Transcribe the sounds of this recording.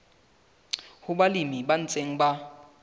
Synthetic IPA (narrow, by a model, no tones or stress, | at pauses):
hʊbalimiban̩t͡sʼeŋ̩ba